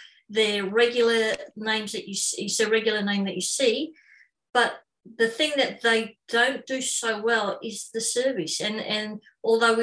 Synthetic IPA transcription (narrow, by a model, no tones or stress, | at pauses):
ðə˞ɹɛɡjl̩ˠə˞nẽɪ̃mzðɨt͡ʃɨsɪsðɨɹɛɡjl̩ˠə˞nẽɪ̃mðɨt͡ʃɨsi | b̥ʌt̪̚ | ðɨθɪ̃ŋðɨt̪̚ðeɪd̥õʊ̃nd̥ɨsoʊwɛlˠɪzðɨsɜ˞vɨsɨ̃nɨ̃n | ʔɔlˠðoʊw